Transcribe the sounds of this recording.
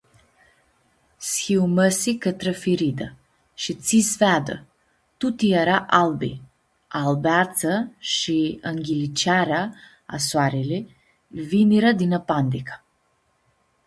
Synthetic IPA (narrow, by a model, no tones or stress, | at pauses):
sxiwməsikət̪ɾefiɾid̪ə | ʃit̪sisvead̪ə̰ | t̪ut̪ijeɾaʔalbḭ | albeat̪səʃiəŋɡʲilit͡ʃaɾea | a̰swaɾile | viniɾəd̪inəpand̪ikə̥